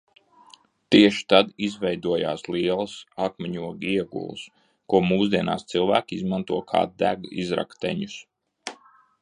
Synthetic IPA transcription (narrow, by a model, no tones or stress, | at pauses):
t̪iɛʃi̥t̪ad̪izvɛjd̪uɔja̰ːsliɛlˠəsakmʲiɲuɔɡiɛɡṵl̰ˠs | kuɔmuːzd̪iɛna̰ːst̪silˠvæːkʲizmant̪uɔkʰa̰ːd̪æɡḭzɾa̰kt̪ɛ̰ɲus